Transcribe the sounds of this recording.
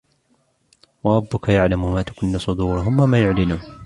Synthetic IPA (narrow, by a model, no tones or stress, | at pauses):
wɑɾˤɑbːʊkajaʕlamʊmaːt̪ḁkʊnːasˤʊd̪uːɾʊɦʊmwamaːjʊʕlɪnuːn